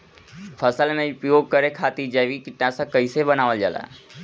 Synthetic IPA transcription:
pʰəsəlnepɾjoɡ̚kəɾekʰaːt̪id͡ʒaʋikɪʈnãsãkəisebənaːʋəld͡ʒaːla̰

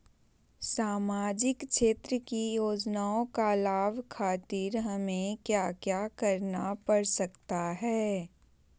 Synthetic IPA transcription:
saːmaːd͡ʒɪkʃeːt̪ɾəkijoːd͡ʒnaːõkalaːʋkʰaːt̪iɾɦɐmẽkjaːkjakɐɾnapɐɽsɐkt̪aɦɛː

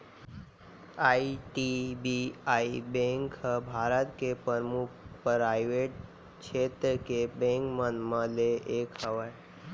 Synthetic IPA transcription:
aiʈibiaibẽŋkəbʱaɾət̪kepəɾmukʰpɾajʋeʈ | kʰet̪ɾəkebẽŋkmənməleʔekʰəʋəj

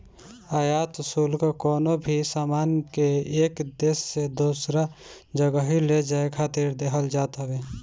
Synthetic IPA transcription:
aːjaːt̪əsuːlkakɔːnobʱisaːmaːnkeeːkd̪eːsːed̪oːsɾa | d͡ʒəɡəɦiled͡ʒaːekʰaːt̪iɾd̪eːɦəld͡ʒaːt̪əweː

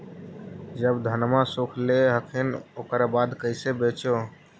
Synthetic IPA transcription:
d͡ʒəbd̪ʱənmãsokʰleɦəkʰenoːkɾabaːd̪kəɪsebet͡ʃo

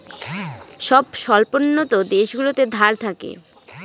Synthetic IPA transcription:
ʃɔbʃɔlponːot̪od̪eʃɡulot̪ed̪ʱaɾt̪ʰakḛ

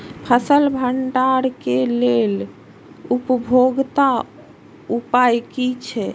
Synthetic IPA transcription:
pʰəsəlbʱəɳɖaɾkelel | upəbʱoɡt̪a | upajkit͡ʃʰɛ

